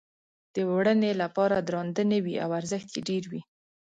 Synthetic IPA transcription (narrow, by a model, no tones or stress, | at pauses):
d̪̥əwɽənelapɑɾad̪ɾɑnd̪ənewia̰waɾzəxt̪jeɖeɾwi